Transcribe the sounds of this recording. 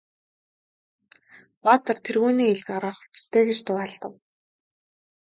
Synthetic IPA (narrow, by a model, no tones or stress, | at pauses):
waːt̪ə̆rt̪ʰerɣuːniːeɮ̆kaɾaːχʊ̥t͡ɕɪ̥̆st̪ʰeːɡet͡ɕt̪ʊːaɮt̪ə̆w